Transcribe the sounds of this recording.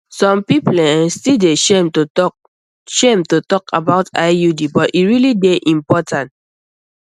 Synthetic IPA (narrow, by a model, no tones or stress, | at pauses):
sɔ̃mpiplɛɛ̃nstideʃemt | ʃẽmtotɔkʰa̰baʊtaɪjudibɔtiɹilideʔĩmpɔtãnt